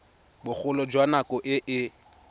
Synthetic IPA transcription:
bʊk͡xʊlɔd͡ʒwanakʼɔʔɪʔɪ

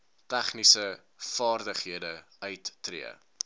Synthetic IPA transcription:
tæχnisə | fɑːrdəχɦiədə | œɥtːrḭə̰

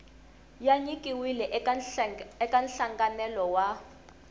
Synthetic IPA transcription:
jaɲikʼiwilɛ | ɛkʼanɬaŋɡanɛlɔwa

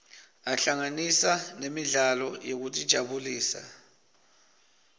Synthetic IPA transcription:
aɬaŋanisanemiɮalɔjek̬utʼid̥ʒ̥ʱaɓuliːsa̰

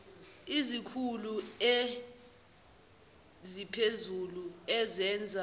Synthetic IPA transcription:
izikʰulue | zipʰezuluɛzɛnd͡zʱa

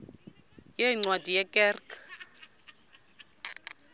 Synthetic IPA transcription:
jeiŋ͡ǀwadʱijɛkʼɛːrkʰa

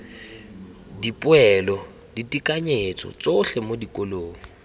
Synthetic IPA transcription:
dipʼʊɛlɔ | ditikʼaɲet͡sʼɔ̰t͡soɬɛmodikʼoloːŋ̩

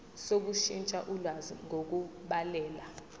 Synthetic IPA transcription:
sok̬uʃint͡ʃʼaʔulwaziŋok̬uɓalɛːla

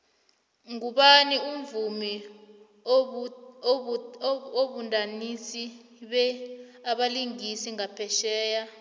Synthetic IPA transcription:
ŋuɓanium̩vumi | oɓundʼʱanisi | ɓɛaɓaliŋisiŋapʰɛʃɛːja

